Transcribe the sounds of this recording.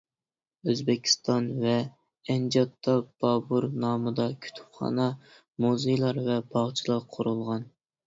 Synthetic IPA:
øzbɪkʲʰi̥st̪ɑnvɛ | ɛnd͡ʒɑt̪ʰːɑb̥ɑbuɾnɑːmɨd̪ɑkʲʰy̥t̪ʰy̥pχɑ̰nɑ | muzɨjlˠɑɾvɛbɑʁt͡ʃʰilˠɑɾqʰʊɾulˠʁɑn

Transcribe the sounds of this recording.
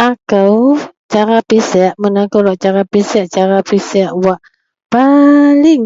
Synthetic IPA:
ʔakəwt͡ʃaɾapisɛʔmənakəwlɔʔt͡ʃaɾapisɛʔt͡ʃaɾapisɛʔwaʔ | palɪŋ

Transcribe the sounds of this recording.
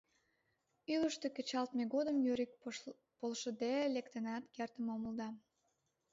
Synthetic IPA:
yləʃt̪eket͡ɕɑlt̪meɣod̪əmjøɾik̚ | polʃə̆d̪elekt̪enɑt̪kert̪əmoməld̪ɑ

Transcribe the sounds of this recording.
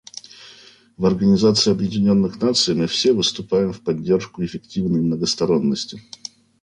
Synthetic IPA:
vɐrɡənʲɪzat̪sɨɪɐbjɪdʲɪnʲo̞nːɨxnat̪sɨjmɨfsʲevɨst̪ʊpajɪmfpɐdʲːe̞rʂkʊɪfʲɪktʲivnəjmnəɡəst̪ɐɾo̞nːəsʲtʲɪ

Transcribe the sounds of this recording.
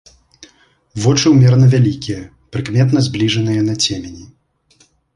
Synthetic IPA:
vɔt͡ʂɨwmʲɛrnɐvʲalʲikʲijɐ | pɾɨkmʲɛt̪n̪ɐzʲblʲiʐɐnɨjɐnɐt͡sʲemʲenʲi

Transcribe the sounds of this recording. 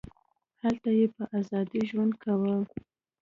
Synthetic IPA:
halt̪ajepəʔazɑd̪iʒwand̪̚kʰawə

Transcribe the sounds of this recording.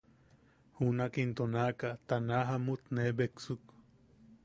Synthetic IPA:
hunakint̪onakat̪anaɦamut̪nebeksuk

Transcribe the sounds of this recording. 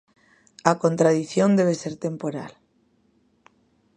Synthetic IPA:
ako̞nt̪ɾaðiθjo̞nd̪e̞β̞e̞se̞ɾt̪e̞mpo̞ɾa̰l

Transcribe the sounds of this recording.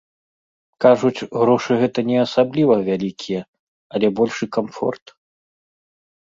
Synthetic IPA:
kaʐut͡sʲɣɾɔʂɨɣɛt̪ɐnʲɛɐsablʲivɐvʲalʲikʲʰijɛ | ɐlʲɛbɔlʲʂɨkamfɔ̰rt̪

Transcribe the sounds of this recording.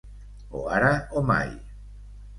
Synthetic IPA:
o̰aɾaoma̰j

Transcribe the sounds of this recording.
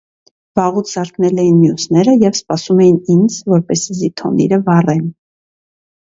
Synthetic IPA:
vɑʁut͡sʰzɑɾknɛlɛjinmjusnɛɾəjɛvspɑsumɛjinind͡zvɔɾpɛsizit̪ʰɔ̰nḭɾəvɑrɛn

